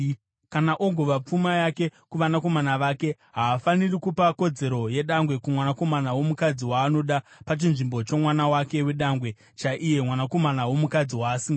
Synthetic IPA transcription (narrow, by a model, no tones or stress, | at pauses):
kanaʔo̞ɡʱo̞ʋap͡fumajake̞kuʋanako̞manaʋake̞ | ɦaːfanirikupako̞d͡ze̞ɾo̞je̞ɗaŋɡwe̞kumwanako̞manawo̞mukad͡ziwaːno̞ɗapat͡ʃinʐimbo̞t͡ʃo̞mwanawake̞we̞ɗaŋɡwe̞ | t͡ʃaʔije̞mwanako̞manawo̞mukad͡ziwaːsiːŋɡa